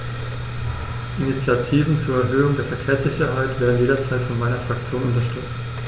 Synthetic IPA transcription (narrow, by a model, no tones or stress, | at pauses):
ʔinit͡sjatʰiːvn̩t͡suːɐɛɐɦøːʊŋdeːɐfɛɐkʰeːɐsz̥ɪçɐɦaɪtv̥eːɐdn̩jeːɾɐt͡saɪtfɔnmaɪnɐfʁ̥ak̚t͡sjoːnʊntɐʃtʏt͡s